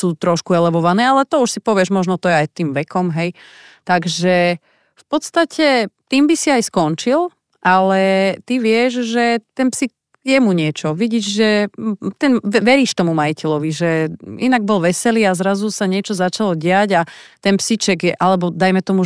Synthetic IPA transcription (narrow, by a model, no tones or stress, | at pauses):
suːt̪ɾɔʃkuɛlɛʋɔʋanɛːalɛt̪ɔuʃsipɔʋɪɛʒmɔʒnɔt̪ɔjɛajt̪iːmʋɛkɔmɦɛj | t̪aɡʒɛ | fpɔt̪st̪acʰɛt̪iːmbisiajskɔnt͡ʃil | ʔalɛt̪iʋɪɛʒʒɛt̪ɛnpsik | jɛmuɲɪɛt͡ʃɔʋiɟiːʒʒɛt̪ɛnʋɛɾiːʃt̪ɔmumaicɛlɔʋiʒɛinaɡ̚bɔlʋɛsɛliazɾazusaɲɪɛt͡ʃɔzat͡ʃalɔɟɛaɟat̪ɛnpsit͡ʃɛɡjɛʔalɛbɔd̪ajmɛt̪ɔmu